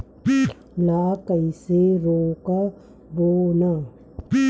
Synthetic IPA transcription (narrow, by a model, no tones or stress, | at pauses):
laːkəiseɾoːka | boːna